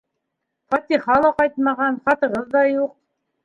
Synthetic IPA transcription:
fɐt̪ʲiχɑlˠɑqɑjt̪mɑʁɑnχɑt̪ɤ̆ʁɤðːɑjuq̚

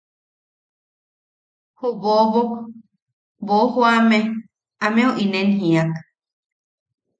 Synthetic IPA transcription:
hoβoβok | bohoame | amẽoʔinẽnɦĩak

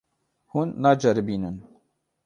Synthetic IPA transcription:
hunːaːd͡ʒɛɾɨbiːnɨn

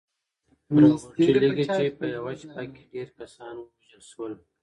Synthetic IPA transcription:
oot͡ʃiliɡit͡ʃepəjawaʃpakːeɖeɾkasɑnwəwaʒəlʃwəl

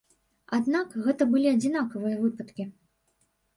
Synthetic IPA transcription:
ad̪nakɣɛt̪ɐbɨlʲiɐd͡zʲinakɐvɨjɐvɨpɐt̪kʲi

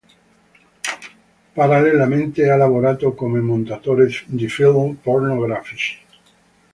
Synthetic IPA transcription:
paɾalelamẽnt̪ealaβoɾat̪okomemõnt̪at̪oɾesd̪ifilpoɾnoɣɾafiʃ

